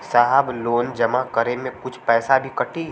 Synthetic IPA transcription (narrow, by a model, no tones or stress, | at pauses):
saɦəbloːnd͡ʒɐmakəɾemẽkʊt͡ʃʰpɛːsabʱikɐʈʰi